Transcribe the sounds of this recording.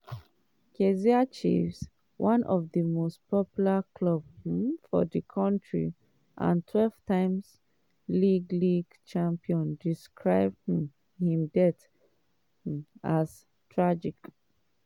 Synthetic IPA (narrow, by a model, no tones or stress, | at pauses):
kʰeziat͡ʃḭfs | wʔãnʔɔvðəmostpʰɔpjulakʰlɔb̚hmfɔ̰dikʰɔ̃ntʰɹḭ | ʔã̰ntʰwɛlv̥tʰãɪ̃ms | liɡliɡt͡ʃãmpiɔ̃ndiskʰɹaɪb̚dhĩm | hĩmdɛt | as | tʰɹad͡ʒik